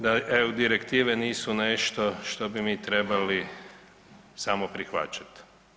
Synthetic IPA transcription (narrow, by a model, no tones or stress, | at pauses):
d̪aʔeud̪iɾekt̪iːʋɛniːsuneʃt̪oʃt̪o̞bimiːt̪ɾebali | samopɾixʋa̰t͡ʃḁt̪